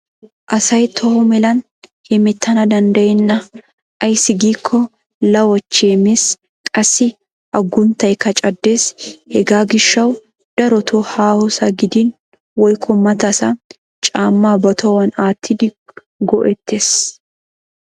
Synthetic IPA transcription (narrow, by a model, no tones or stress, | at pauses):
ʔɐsɐjt̪ʰɔhʊmɛlɐn | hɛmɛt̪ʰːɐnɐd̪ɐnd̪ɐjɛnːɐ | ʔɐjsɪɡiːkʰːɔ | lɐwɔt͡ʃːeːmeːs | kʼɐsːɪ | ʔɐɡːʊnt̪ɐjkɐt͡ʃʼɐd̪ːe̞ːshɛɡaːɡɪʃːɐw | d̪̥ɐɾɔt̪ʰoːhaːhɔsɐɡɪd̪in | wɔjkʰːɔmɐt̪ɐsɐ | t͡ʃʼaːmːaːbɐt̪ʰɔwɐnaːt̪ʰːɪd̪ɪ | ɡɔʔɛt̪ʰːeːs